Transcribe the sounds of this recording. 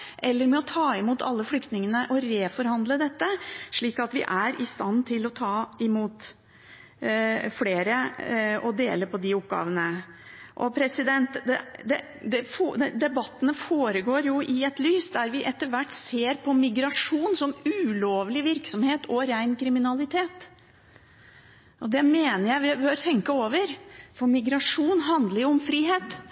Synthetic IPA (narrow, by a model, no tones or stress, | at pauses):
ʔɛlːəɾmɛɔt̪ʰɑːɪmuːt̪ʰɑ̰lːəflʏkt̪nɪŋənəʔɔɾeːfɔɾhɑnd̪ləd̪ɛt̪ːəʂɭiːkɑt̪ʋɪ̰ʔæɾɪst̪ɑnːt̪ʰɪlɔt̪ʰɑːɪmuːt̪ | fleːɾəɔd̪ḛːləpʰɔd̪ɪʊp̚ɡɑ̰ːʋənəʔɔ̰pʰɾɛsɪd̪ɛnt̪d̪ɛd̪ɛ | d̪ɛfɛd̪ɛbɑt̪ːənəfoːɾəɡoːɾjʊʔɪɛt̪lyːsd̪æɾʋɪʔɛt̪ːəɾʋæʈːseːɾpʰɔmɪɡɾɑʂuːnsɔmʉloːʋlɪʋɪɾksɔmheːt̪ʰɔɾæɪnkʰɾɪmɪnɑlɪt̪ʰeːt̪ | ʔɔd̪ɛmeːnəɾjæɪʋɪbøːɾt̪ʰɛŋkəoːʋəɾfɔɾmɪɡɾɑʂuːnɦɑnd̪ləɾʊmfɾiːɦeːt̪